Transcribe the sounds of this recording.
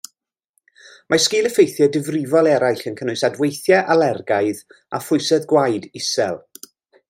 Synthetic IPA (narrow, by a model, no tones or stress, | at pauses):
mʔaskɪːlˠəfejθjɛdɪvrɪvɔlˠɛɾajɬənkʰənʊɨsadwejθjɛʔalɛrɡaɨð | a̰fʊɨsɛðɡwajdɪsɛ̰lˠ